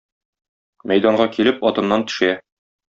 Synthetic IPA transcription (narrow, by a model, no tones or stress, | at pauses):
mæjd̪ɑɴɢɑkilɘpɒt̪ɤ̆nːɑnt̪ɵ̥̆ʃæ